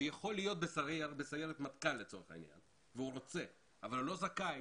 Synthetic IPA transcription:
ujaχo̞lːijo̞t̪̚be̞saʁebesaʁjeʁet̪mat̪kalːe̞t͡so̞ʁeχa̰ḭnja̰n | veuʁo̞t͡se̞ | avalulːo̞zaka

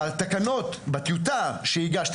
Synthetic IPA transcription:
alt̪akano̞t̪bat̪jut̪̬aʃeiɡaʃt̪

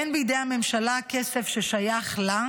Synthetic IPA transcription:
enbijd̪ejhamemʃalakesefʃeʃajaχla

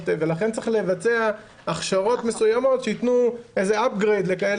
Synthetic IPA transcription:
t̪evelaχentt͡siχle̞vat͡se̞a | aχʃaʁo̞t̪me̞sujamo̞tʃeit̪nuejzeap̚ɡʁejd̪le̞kael

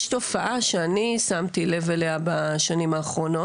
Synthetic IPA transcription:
ʃto̞faʔaʃeanisamt̪ile̞veleabaʃanimaːχʁo̞no̞

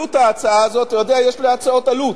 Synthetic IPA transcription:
utaːt͡saaːzotajo̞d̪eajeʃliat͡sao̞talut

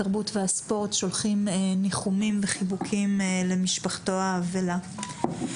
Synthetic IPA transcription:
aʁbutveaspo̞ʁtʃo̞lχimniχumimveχibukʰimle̞miʃpaχto̞haːvela

